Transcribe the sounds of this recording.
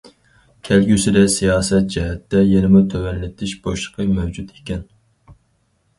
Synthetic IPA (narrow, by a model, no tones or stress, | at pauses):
kʲʰɛlɡʲysɪd̪ɛsijɑːsɛt̪̚d͡ʒɛɦɛt̪ːɛjenɪmʊt̪ʰøwɛnlɪt̪ʰɪʃboʃlˠə̥qʰəmɛwd͡ʒut̪ʰe̥kʲɛn